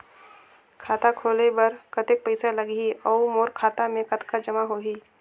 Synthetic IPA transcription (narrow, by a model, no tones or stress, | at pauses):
kʰaːt̪akʰoːlebɐɾkɐt̪ek̚pəɪsalɐɡiɐumoːɾkʰaːt̪amẽkɐt̪kad͡ʒɐmaɦoːɦiː